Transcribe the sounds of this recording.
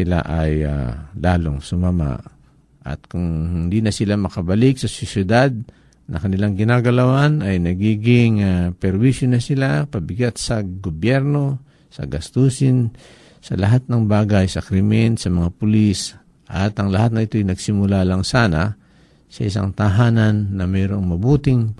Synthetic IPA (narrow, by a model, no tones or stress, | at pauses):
ɪla̰ʔaja̰laːloŋsʊmama̰ʔ | ʔɐ̰t̪̚kʊŋhɪɪnd̪inɐsɪlamɐkɐbɐlɪk̚sɐsʊsɪd̪ad̪̚ | nɐkɐnɪlaŋɡɪnaːɡɐlɐwanɐjnɐɡiːɡɪŋapɛɾwisjonɐsɪlapɐbɪɡat̪sɐɡobjɛɾno̞ | sɐ̰ɡɐst̪usɪn | sɐ̰lɐɦat̪̚nɐŋbaːɡajsɐkɾɪmɛnsɐmɐŋapʊlis | ʔat̪ɐŋlɐhat̪̚nɐʔɪt̪ojnɐɡsɪmʊlalaŋsaːna | sɐ̰ʔɪsa̰ŋt̪ɐɦaːnanːɐmɛːɾo̞ŋmɐbuːt̪ɪŋ